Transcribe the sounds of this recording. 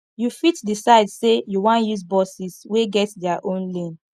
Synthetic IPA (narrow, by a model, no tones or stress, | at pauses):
jufitdisaɪdsejuwãnjuzbɔsisweɡɛtdɛaʔõnlẽn